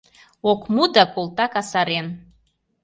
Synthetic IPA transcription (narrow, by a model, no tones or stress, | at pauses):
okʰʷʼmud̪akʼolˠt̪ʼakasaɾen